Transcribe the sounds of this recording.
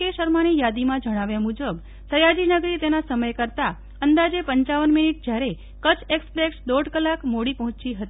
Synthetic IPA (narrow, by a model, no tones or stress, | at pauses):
eʃəɾmanijad̪imãd͡ʒəɽ̃aʋjamud͡ʒəb | səjad͡ʒinəɡɾit̪enasəməjkəɾt̪a | ənd̪ad͡ʒepəɲt͡ʃaʋənminiʈ̚d͡ʒjaɾe | kət͡ʃekspɾeksd̪oɖkəlakmoɽipəɦʊ̃t͡ʃiɦət̪i